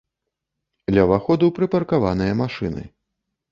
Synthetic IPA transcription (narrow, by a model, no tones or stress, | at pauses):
d̪lʲɐvaxɔd̪uwpɾɨpɐrkavanɨjɐmaʂɨnɨ̰